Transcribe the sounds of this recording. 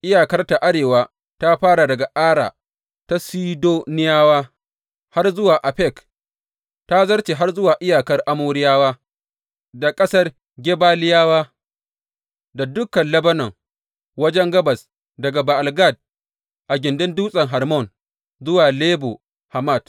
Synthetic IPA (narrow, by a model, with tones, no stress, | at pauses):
ʔɪ˦jaː˨kɐ˦rta˨ʔa˦ɽeː˨waː˦ | ta˦ɸaː˦ɽa˨dɐ˨ɡa˨ʔaː˦ɽa̰ː˨ | ta˦siː˦doː˦nɪ˦jaː˦waː˦ | ha˦rzʊ˦waː˨ʔa˨ɸɛ˦˨k | ta˦zɐ˦rt͡ʃeː˨ɦa˦rzʊ˦waː˨ʔɪ˦jaː˨kɐ˦rʔa˦moː˦ɾɪ˦jaː˦waː˦ | da˨kʼɐ˦sɐ˦r | ɡʲe˦baː˦lɪ˦jaː˦waː˦ | da˨dʊ˦kːɐ˨nlɐ˦bɐ˦nɐ˨ŋ | wɐ˦d͡ʒɛ˦ŋɡɐ˦bɐ˨s | dɐ˨ɡa˨ba˨ʔa˨lɡa˦˨d̚ | ʔa˨ɡʲɪ˨ndɪ˦nduː˦sʼɐ˨ŋɦɐ˨rmɔ˦˨n | zʊ˦waː˨leː˦bo̰˨ | ha˨ma˦˨t